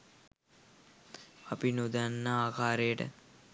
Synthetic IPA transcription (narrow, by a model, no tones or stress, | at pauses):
apinud̪anːaaːkaːɾejəʈə̰